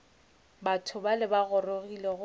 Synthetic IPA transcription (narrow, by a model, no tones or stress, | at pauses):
batʰʊbalɪbaɣʊroɣilɛɣ